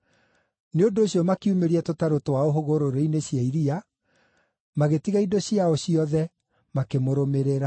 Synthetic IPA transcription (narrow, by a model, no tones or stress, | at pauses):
neondoːɕjɔmakiumeɾiɛtotaɾotowaoɦoɣoɾoɾeineɕjaiɾia | maɣetiɣaidoɕiaoɕiɔðɛ | makemoɾomeɾeɾa